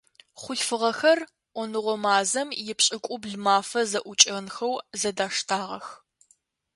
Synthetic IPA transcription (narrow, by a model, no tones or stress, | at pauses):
χʷʊɬfɨʁɐxɐr | ʔʷɔnɨʁʷɔmaːzɐmjɪpɕʼɪkʷʼʊbɮmaːfɐzɐʔʷʊt͡ʃʼɐnxɐwzɐdaːʂtʰaːʁɐ̰x